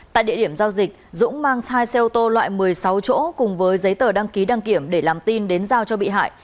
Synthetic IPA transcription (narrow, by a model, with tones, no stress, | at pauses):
t̪a̰ː˧˨jɗḭ˧˨əɗi˧˩əmzaː˧wzï˨˩k̚zʊ̰˧˥ŋ͡mmaː˧ŋsaː˧jsɛ˧t̪o˧lwa̰ː˧˨jmɨ˨˩əjsa˨˦wt͡ɕo̰˧˥kʊ˨˩ŋ͡mvəː˨˦jzə˨˦jt̪əː˧˩ɗa˧ŋki˨˦ɗa˧ŋki˧˩əmɗe˧˩laː˨˩mt̪i˧nɗe˨˦nzaː˧wt͡ɕɔ˧ɓḭ˧˨ɦa̰ː˧˨j